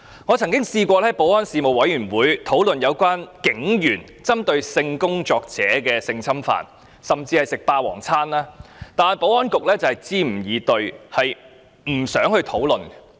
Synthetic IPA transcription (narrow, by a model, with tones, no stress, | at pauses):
ŋɔː˨˧t͡sʰɐ˨˩ŋkɪ˥ŋsiː˧kʷɔː˧lɛ˥˧˥jpo˨˥wɔː˥nsiː˨˧mo˨wɐ˨˥jɥyː˨˩nwuː˨˥jt̪ʰo˨˥wlɵ˨njɐ˨˧wkʷaː˥nkɪ˨˥ŋjyː˨˩n | t͡sɐ˥mt̪ɵ˧ɥsɪ˧ŋkʊ˥ŋt͡ʃɔː˧k̚t͡sɛː˨˥kɛː˧sɪ˧ŋsʰɐ˥mfa̰ː˨n | sɐ˨˩mt͡siː˧hɐ˨jsɪ˨k̚paː˧wɔ̰ː˨˩ŋt͡sʰaː˥nlaː˥t̪aː˨npo˨˥wɔː˥nkʊ˨k̚lɛː˥t͡sɐ˨whɐ˨jt͡siː˥m̩˨˩jiː˨˧t̪ɵ˨˧ɥhɐ˨j | m̩˨˩sœː˨˥ŋhɵ˧t̪ʰo˨˥wlɵ˨n